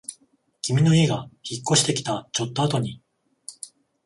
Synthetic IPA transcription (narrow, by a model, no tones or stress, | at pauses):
kʲimʲino̞iɡaçikːo̞ɕi̥t̪e̞kʲi̥t̪at͡ɕo̞t̪ːo̞at̪o̞ɲ̟i